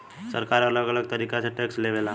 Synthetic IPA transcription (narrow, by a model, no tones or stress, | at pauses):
səɾkaɾələɡələɡ̚t̪əɾikasʰeʈeksleʋela